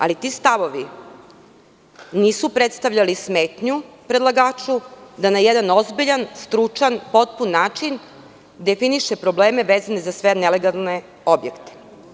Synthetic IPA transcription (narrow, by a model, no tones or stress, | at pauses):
a̰lit̪ist̪aʋo̞ʋi | niːsupɾet̪st̪aʋʎalismeːt̪ɲupɾed̪lˠaɡaːt͡ʃud̪anajed̪anozbiʎanst̪ɾut͡ʃanpo̞t̪̚punːaːt͡ʃin | d̪e̞finiʃepɾo̞bleːmeʋeːzanezasʋeneleɡalˠne | o̞bjekt̪e̥